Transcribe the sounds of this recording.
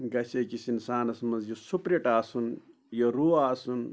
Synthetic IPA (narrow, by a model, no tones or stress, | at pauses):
ɡɐsɐkisinsaːnɐsmɐzjosupɾeʈaːsun | joɾuːaːsun